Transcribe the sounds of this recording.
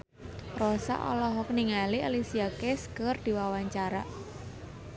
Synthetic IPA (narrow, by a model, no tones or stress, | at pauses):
rɔsa̰ʔɔ̰lɔɦɔk̚niŋalialisiakeskərd̪̥i̤wawaɲt͡ʃaɾa